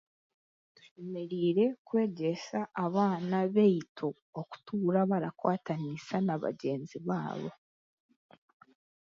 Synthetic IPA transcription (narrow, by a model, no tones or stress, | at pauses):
tu̥ʃemeɾiːɾe̞kwe̞ːɟesaʔːβaːnaβejitʰo | oku̥tuːɾaβaɾakwaːtanisanaβa̰ɟe̞ːnziβaːβo̞̰